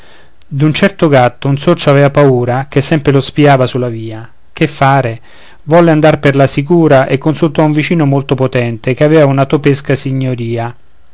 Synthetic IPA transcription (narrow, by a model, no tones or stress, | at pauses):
d̪unt͡ʃɛrt̪oɡat̪ːounsot͡ʃːoavɛːvapauːɾakesːɛmpɾelospiaːvasulːaviːa | k̟efːaːɾe | vɔlːeand̪arperlasik̬uːɾaʔekːonsult̪ɔuɱvit͡ʃiːnomolt̪opot̪ɛnt̪ekeavɛːvaunat̪opeskasiɲːoɾiːa